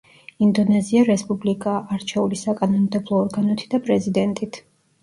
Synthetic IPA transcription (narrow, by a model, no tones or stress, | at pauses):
ind̪ɔnɛziaɾɛspʼublikʼaʔːɾt͡ʃʰɛulisakʼanɔnmd̪ɛblˠɔːɾɡanɔt̪ʰi̥d̪apʼɾɛzid̪ɛnt̪ʼit̪ʰ